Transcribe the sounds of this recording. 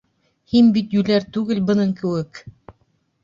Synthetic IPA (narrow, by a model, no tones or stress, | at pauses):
hinbit̪jʉlæɾt̪ʉɡɘlbɤ̆nɤɴkɘ̆wɘk